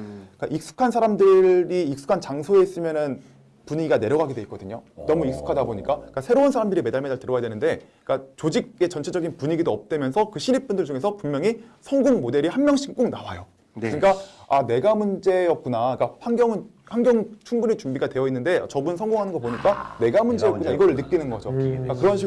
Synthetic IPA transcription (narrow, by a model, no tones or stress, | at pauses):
k͈aʔik̚s͈u̥kʰansʰaɾamdɯɾiːk̚s͈u̥kʰant͡ɕaŋsʰoe̞is͈ɯmjʌnɯn | puɲiiɡane̞ɾjʌɡaɡedwe̞it̚k͈ʌdɯɲonʌmuik̚s͈u̥kʰadaboɲik͈ak͈asʰe̞ɾounsʰaɾamdɯɾimedaɭmedaɭtɯɾʌjadwenɯnde̞ | k͈at͡ɕod͡ʑiɡ̚e̞t͡ɕʌnt͡ɕʰed͡ʑʌɡinpuɲiɡidoʌp̚t͈emjʌnsʰʌkɯɕʰiɾip̚p͈undɯɭt͡ɕuŋe̞sʰʌpummjʌŋisʰʌŋɡoŋmode̞ɾihanmjʌŋɕʰi̥kk͈uŋnawajo | kɯɲik͈aane̞ɡamund͡ʑe̞jʌk̚k͈unaik͈aɸwaŋɡjʌŋɯn | ɸaŋɡjʌŋt͡ɕʰuŋɡuɾit͡ɕumbiɡatwe̞jʌinːɯnde̞a̰t͡ɕʌbunsʰʌŋɡoŋɦanɯnɡʌp̬oɲik͈ane̞ɡamund͡ʑe̞jʌk͈unaiɡʌɾɯɭnɯk̚k͈inɯnɡʌd͡ʑo̰k͈akɯɾʌnɕʰi